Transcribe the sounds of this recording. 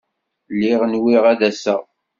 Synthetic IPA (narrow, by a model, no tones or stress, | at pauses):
lɪʁənwiʁæðæsæ̰